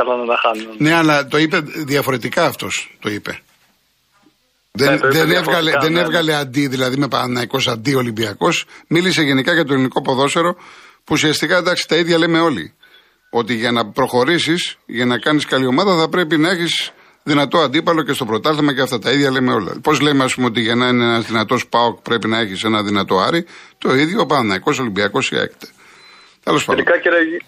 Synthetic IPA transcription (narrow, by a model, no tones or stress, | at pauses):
ɐlɐnɐt̪ɐxɐnne̞ɐlɐt̪o̞ipe̞ðiɐfo̞ɾe̞t̪ikɐːft̪o̞st̪o̞ipe̞̰ | ðenðenevɣɐleðenevɣɐle̞ɐnd̪iðilɐðime̞pɐnɐiko̞sɐnd̪io̞limbiɐko̞smilise̞ʝe̞nikɐʝɐt̪oeliniko̞po̞ðo̞se̞ɾo̞puːsiɐst̪ikɐd̪ɐksi̥t̪ɐiðʝɐleme̞o̞lḭ | o̞t̪iʝɐnɐpɾo̞xo̞ɾisisʝɐnɐkɐniskɐlio̞mɐðɐθɐpɾe̞pinɐe̞çis | ðinɐt̪o̞ɐnd̪ipɐlo̞ce̞st̪o̞pɾot̪ɐθemɐceɐft̪ɐt̪ɐiðʝɐleme̞o̞lɐ̰po̞zlemeɐspumeot̪̬iʝɐnɐineenɐzðinɐt̪o̞spɐokpɾe̞pinɐe̞çise̞nɐðinɐt̪o̞ɐɾit̪o̞iðʝoːpɐnɐnɐiko̞so̞limbiɐko̞sḭḛkt̪e̥ | t̪elospɐɾikɐceɾɐi